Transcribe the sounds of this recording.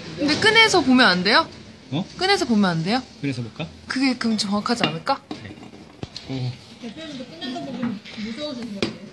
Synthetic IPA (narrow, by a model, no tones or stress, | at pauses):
kɯnde̞k͈ɯne̞sʰʌpomjʌnande̞jo | ʌk͈ɯne̞sʰʌpomjʌnande̞jokɯɾesʰʌbok͈akɯɡe̞kɯmt͡ɕʰoʌŋɡakʰad͡ʑianɯɭk͈anḛ